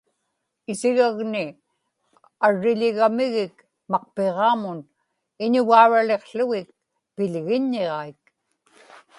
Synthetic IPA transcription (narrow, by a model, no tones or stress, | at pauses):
ɪsiɣaɣnɪ | aɻːɪʎɪɣamɪɣɪk | mɑq̚pe̞ʁɑːmʊn | ɪɲʊɣaːɻale̞qɬʊɣɪk̚ | pɪʎɣɪɲːeʁɑik̚